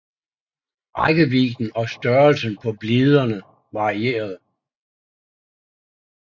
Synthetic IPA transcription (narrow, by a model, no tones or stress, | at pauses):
ɑɪɡ̥əʋiɡ̥n̩ɒ̽sd̥ɶɐlsənpʰɒ̽b̥liðˠɐnə | ʋɑ̈ʁie̝̰ːɐð̞̩ˠ